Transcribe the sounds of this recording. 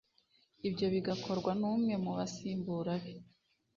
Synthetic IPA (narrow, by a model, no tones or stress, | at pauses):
ibɟo̞βiɡakʰo̞ɾɡwanuːmŋe̞muβasiːmbuːɾaβe